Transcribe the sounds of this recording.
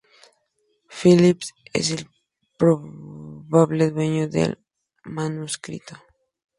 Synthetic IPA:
filipsḛsel | pɾoβaβleðwe̞ɲoðḛl | manuskɾḭt̪o

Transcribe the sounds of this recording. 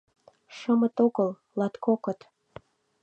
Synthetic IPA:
ʃəmə̆t̪oɣəl | lɑt̪kokə̆t̪

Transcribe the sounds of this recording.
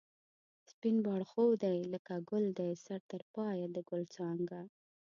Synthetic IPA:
spinbɑɽxowd̪ajləkaɡʊld̪ajsaɾt̪əɾpɑjad̪əɡʊlt͡sɑŋɡa

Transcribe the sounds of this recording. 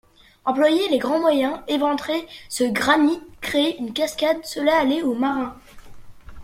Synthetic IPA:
ɑ̃plwajeleɡʁɑ̃mwajɛ̃evɑ̃t̪χesəɡʁanikχeːynkʲaskʲad̪səlaːleomaʁɛ̃

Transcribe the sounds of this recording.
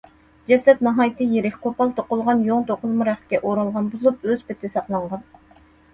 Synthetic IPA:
d͡ʒɛsɛt̪nɑɦɑjt̪ʰɨjeɾɪkʲkʰopɑlˠt̪ʰoqʊlˠʁɑnjoŋt̪ʰoqʰʊlˠmɑɾæχ̚kʲɛʔoɾɑlˠʁɑnbozˠup̚øz̥pɪt̪ʰɪsɑqlˠɑɴʁɑn

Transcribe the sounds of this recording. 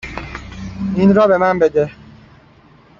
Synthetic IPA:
in̩ɾɔbemam̩bede

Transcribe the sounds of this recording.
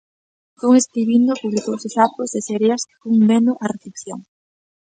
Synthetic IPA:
koŋeskɾiβind̪opuβlikowsɪsapʊzðesɛɾjɐskɪ̥fuŋmenʊʔɐreθepθjoŋ

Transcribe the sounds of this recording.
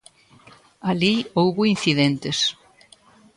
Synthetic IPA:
aliowɣʊin̟θiðent̪ɪs

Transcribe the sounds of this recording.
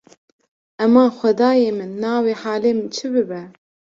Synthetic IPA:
ɛmɑːxʷɛd̪ɑːjeːmɨnːɑːweːħaːleːmɨnt͡ʃʰɨbɨbɛ

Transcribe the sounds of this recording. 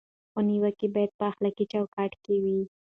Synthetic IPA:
xəniwəkebɑjad̪̚pəaxlakit͡ʃɑwkɑʈkewi

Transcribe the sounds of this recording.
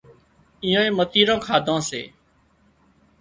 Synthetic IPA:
iːõːẽːmət̪iːɾãːkʰaːd̪ʱãːsḛː

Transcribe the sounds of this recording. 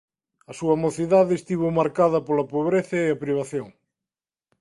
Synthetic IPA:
ɐsuɐmoθiðaðɪːst̪iβ̞omaɾkaðɐpolɐpoβɾeθɐeɐpɾiβ̞aθjoŋ

